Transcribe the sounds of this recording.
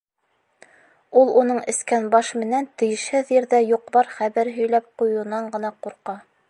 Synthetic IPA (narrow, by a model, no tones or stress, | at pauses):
ulˠunɤɴɘ̆skænbɑʃmɘ̆nænt̪ɘ̆jɘ̆ʃhɘðjɘ̆ɾðæjuqbɑɾχæβæɾɦɵ̆jlæp̚qujunɑɴɢɤ̆nɑquɾqɑ